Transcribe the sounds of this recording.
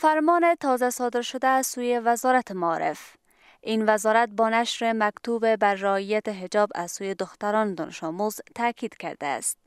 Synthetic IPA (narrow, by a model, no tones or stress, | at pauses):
faɾmɔnet̪ʰɒzasɒd̪ɪɾʃʊd̪aːzsujevazɒɾat̪ʰɪmaɒɾɪ̰f | invazɒɾat̪̚bɒnaʃɾemakt̪ubebaɾːaiat̪eɦɪd͡ʒɒba̰z̥sujed̪ʊxt̪aɾɒnd̪ɒ̰nʔɪʃɒmuzt̪ʰakid̪ka̰ɾd̪a̰ːst̪̚